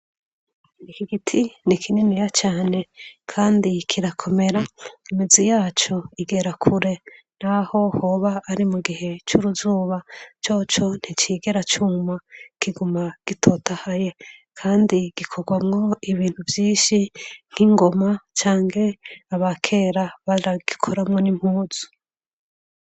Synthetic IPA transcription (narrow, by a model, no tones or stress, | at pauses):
ikiɡitʰinikʰininijat͡ʃaːne̞kʰaːndikʰiɾakʰo̞me̞ɾaimizijaːt͡ʃo̞iɡe̞ɾakʰuɾe̞ | n̥aho̞ho̞βaːɾimuɡihe̞t͡ʃuɾuzuːβat͡ʃo̞ːt͡ʃo̞n̥it͡ʃiːɡe̞ɾat͡ʃumakʰiɡumaɡ̥itʰo̞tahaje̞kʰaːndiɡ̥ikʰoɡwamŋo̞iβiːn̥huvjiːʃiŋ̥hiŋɡo̞mat͡ʃaːŋhe̞aβakʰe̞ːɾaβaɾaɡ̥ikʰoɾamŋo̞nim̥huːz̥u̥